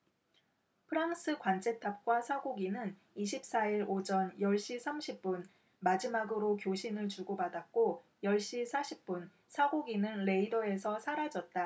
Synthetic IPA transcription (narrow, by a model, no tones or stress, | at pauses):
pʰɯɾaŋs͈ʰɯkwant͡ɕʰe̞tʰap̚k͈wasʰaɡoɡinɯn | iɕʰip̚s͈aiɾod͡ʑʌnjʌɭɕ͈isʰamɕʰip̚p͈un | mad͡ʑimaɡɯɾokjoɕʰinɯɭt͡ɕuɡobadak̚k͈o | jʌɭɕ͈isʰaɕʰip̚p͈un | sʰaɡoɡinɯnɾe̞idʌe̞sʰʌsʰaɾad͡ʑʌt̚t͈a